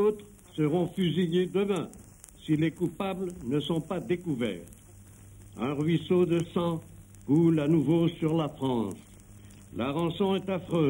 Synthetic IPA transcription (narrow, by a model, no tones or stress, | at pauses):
ot̪χ | səʁɔ̃fyzijed̪əmɛ̃ | silekupablənəsɔ̃pad̪ekuvɛ̰ːʁ | ɛ̃ʁɥisod̪əsɑ̃ | ʁulanuvosyʁlafχɑ̃s | laʁɑ̃sɔ̃ɛt̪afχøː